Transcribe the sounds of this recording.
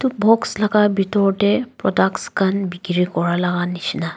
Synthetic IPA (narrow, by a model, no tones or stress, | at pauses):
t̪ubɔkslaɡabit̪ɔɾʈepɾɔdakskʰanbiɡɾikɔɹalaɡanit͡ʃna